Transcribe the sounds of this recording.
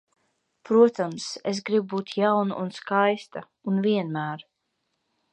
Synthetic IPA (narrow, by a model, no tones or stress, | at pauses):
pɾuɔt̪amses̬ɡɾibubuːt̪jawnṵʔunskajst̪a | unviɛnmæːɾ